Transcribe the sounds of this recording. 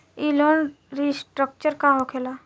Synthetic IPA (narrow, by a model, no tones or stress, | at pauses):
iloːn | ɾisʈɾək̚t͡ʃəɾkaɦokʰeːlaː